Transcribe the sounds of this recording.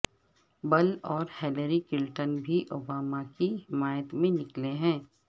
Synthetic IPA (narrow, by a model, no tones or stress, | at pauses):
bɐlɔːɾhɛləɾikɪlʈənbʱiʔoːbaːmakiɦɪmaːjət̪mẽnɪkleɦɛ̃ː